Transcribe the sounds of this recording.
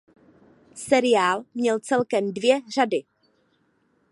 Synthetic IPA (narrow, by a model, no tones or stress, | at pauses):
sɛɾɪaːlmɲɛlt͡sɛlkɛmdvjɛr̝adɪ